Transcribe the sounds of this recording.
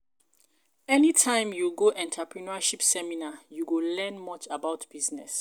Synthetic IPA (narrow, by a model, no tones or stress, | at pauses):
ɛnitʰãɪ̃mjuɡoʔɛ̃ntʰapʰɹinaʃipsɛminajuɡolɛ̃nmɔt͡ʃabaʊtb̥iznɛ̰s